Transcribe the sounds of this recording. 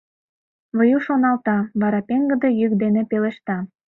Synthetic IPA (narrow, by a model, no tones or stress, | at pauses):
βəjuʃonɑlt̪ɑβɑɾɑpeŋɡə̆d̪ə̆jykd̪enepeleʃt̪ɑ